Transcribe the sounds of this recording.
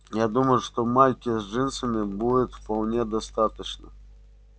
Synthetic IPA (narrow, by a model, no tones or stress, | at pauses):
jad̪uməjʊʂt̪ɔmalʲkʲɪzʐɪnsɨnʲɪbudʲɪt̪fpɐlˠnʲed̪ɐst̪at̪ət͡ɕnə̰